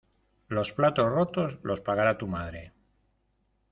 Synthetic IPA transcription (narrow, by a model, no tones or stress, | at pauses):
lo̞splat̪osrot̪o̞zlo̞spaɣaɾat̪umað̞ɾe̞